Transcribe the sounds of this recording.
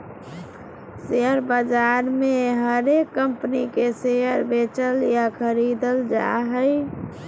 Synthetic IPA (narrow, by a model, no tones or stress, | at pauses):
seəɾbəd͡ʒaɾmeɦəɾekːəmpnikeseəɾbet͡ʃəljakʰəɾid̪əld͡ʒa̰ɦəɪ